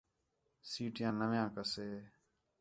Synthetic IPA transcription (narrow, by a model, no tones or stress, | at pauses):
siːʈɪjãːnəʋjãːkəseː